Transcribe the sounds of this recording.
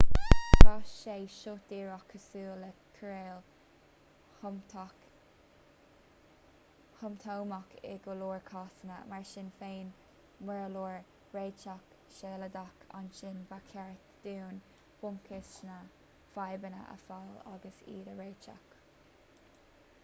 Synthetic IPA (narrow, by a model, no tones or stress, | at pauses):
aʃeːʃʊd̥̪iːɹɔkʰːəsuːləkʰəɾeːl | hʊmt̪ʰowmakʰɪ̰ɡoluːɹkʰɑːsənəmaɹʃɪnfeːn | mɛɹluːɹ | ɹeːt͡ʃak | ʃeːləd̪akʰa̰nʃɪnbakʰɛɹtd̪̥uːn | b̥ʊŋkʰɪsnə | fajbənə̰ʔə̰fala̰ɡəsḭːdəɹeːt͡ʃa̰k